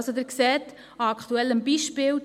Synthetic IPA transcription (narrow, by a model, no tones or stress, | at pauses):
sodɪɾksɛːt | ɑɑkχtuɛlːəmbiːʃpɪːl